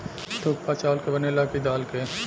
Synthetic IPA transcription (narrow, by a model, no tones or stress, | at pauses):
t̪ʰoːk̚pat͡ʃaːlkebɐnelakid̪aːlke